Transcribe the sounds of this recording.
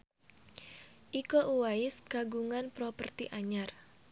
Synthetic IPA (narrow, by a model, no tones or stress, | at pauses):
ʔikoʔuwaɪskaɡuŋanpɾɔpərt̪ḭʔaɲar